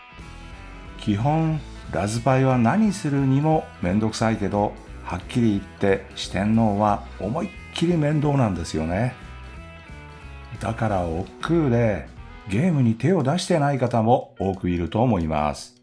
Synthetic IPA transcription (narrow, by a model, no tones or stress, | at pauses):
kʲiɦõ̞ɴɾazɨpaiβ̞anaɲ̟isɨɾɯ̟ɲ̟imo̞mẽ̞nd̪o̞kɯ̟̥saike̞d̪o̞hakʲːiɾʲiːt̪ːe̞ɕi̥t̪ẽ̞nːo̞ːβaomakʲʰːiɾʲimẽ̞nd̪o̞ːnãnd̪e̞sɨjo̞ne̞ | d̪akaɾaokːɯ̟ːd̪e̞ | ɡʲe̞ːmɯ̟ɲ̟it̪e̞o̞d̪aɕi̥t̪e̞naikat̪amo̞oːkɯ̟iɾɯ̟t̪o̞ːmo̞ima̰sɨ̥